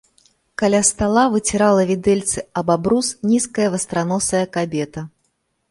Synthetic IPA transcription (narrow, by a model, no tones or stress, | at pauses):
kalʲast̪alˠavɨt͡sʲiɾalˠɐvʲid̪ɛlʲt̪sɨɐbabɾusnʲiskɐjɐvɐst̪ɾanɔsɐjɐkabʲɛt̪ɐ